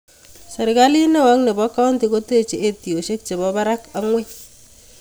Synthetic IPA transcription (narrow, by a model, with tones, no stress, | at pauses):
se˨ɾɪ˨ka˦li˦ne˦wa˦ŋne˨bɔ˦ka˦o˦nti˨ko˦te˦˨t͡ʃe˨e˦ti˨o˨ʃe˦k̚t͡ʃe˨bɔ˦ba˦ɾa˦ka˦ŋwe˦